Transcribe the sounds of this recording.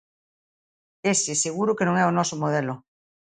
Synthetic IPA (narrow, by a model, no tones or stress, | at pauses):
eseseɣ̞uɾokenõŋɛonɔsomoðelo